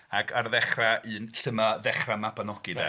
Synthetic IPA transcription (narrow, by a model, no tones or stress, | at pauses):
aɡʰarðɛχraʔɨːnɬəmaðɛχramabanɔɡ̥ɨðɛ̰